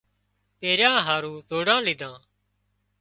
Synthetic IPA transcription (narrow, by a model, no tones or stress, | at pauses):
peːɾjãːɦaːɾũːzoːɽãːlɪd̪ʱãː